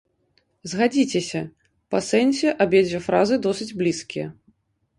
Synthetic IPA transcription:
zɣad͡zʲit͡sʲesʲɐ | pɐsɛnʲsʲɛʔabʲjɛd͡zʲɛfɾazɨd̪ɔsɨd͡zʲblʲiskʲijɐ̰

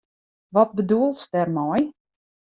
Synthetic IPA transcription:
ʋɔt̚bəduəlˠsdɛrmɔj

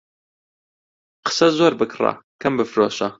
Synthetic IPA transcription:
qə̥sɐzoːɾbɨkʰra̰kʰɐmbɨfɾoːʃɐ

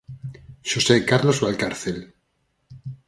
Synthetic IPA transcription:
ʃosekaɾlozβalkaɾθel

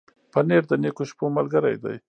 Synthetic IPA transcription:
paneɾd̪ənekoʃpomalɡəɾa̰jd̪a̰j

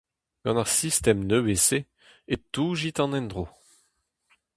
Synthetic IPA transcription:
ɡ̥ɑ̃naʁsist̪ɛmnøwese | et̪uːʒit̪ɑ̃nɛ̃nd̪ʁo

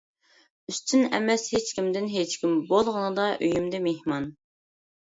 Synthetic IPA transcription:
yst̪ʰynɛ̰mɛshet͡ʃkʲimd̪ɪnɦet͡ʃkʲimbolˠʁənɨd̪ɑʔøjymd̪ɛmehmɑn

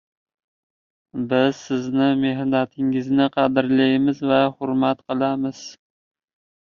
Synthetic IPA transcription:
bɪzsɪznɪmeɦnat̪ʰɪŋɪznɪqʰɑd̪ɪɾlajmɪzvaχʊɾmat̪qʰɨlˠamɪz̥

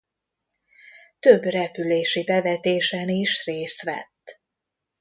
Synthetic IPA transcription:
t̪øbrɛpyleːʃibɛvɛt̪eːʃɛniʃreːst̪ʋɛ̰t̪ː

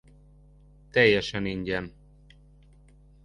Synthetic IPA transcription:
t̪ɛjːɛʃɛniɲɟɛn

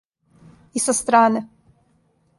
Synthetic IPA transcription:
isast̪ɾaːne

